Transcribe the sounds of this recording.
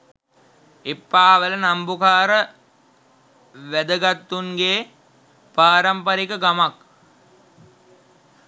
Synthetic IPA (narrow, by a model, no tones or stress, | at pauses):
epːaːʋələnambukaːɾə | ʋæd̪əɡat̪ːuŋɡeː | paːɾampəɾikəɡamak